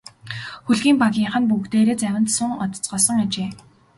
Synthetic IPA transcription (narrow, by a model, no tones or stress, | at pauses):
xuɮɣiːmpaɣʲiːɴχə̆npukt̪eːɾeːt͡sæwʲɪ̆nt̪sʊŋɔt̪̆ʰt͡sɢɔːsɞ̆ŋat͡ɕeː